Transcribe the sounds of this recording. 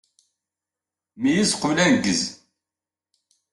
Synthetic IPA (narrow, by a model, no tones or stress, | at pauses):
mijizqulænɡəz